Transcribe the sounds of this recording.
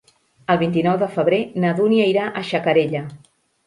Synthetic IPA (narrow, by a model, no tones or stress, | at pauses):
əlˠβ̞int̪̬inɔwðəfəβ̞ɾenəðuniəiɾaʔəʃəkəɾeʎə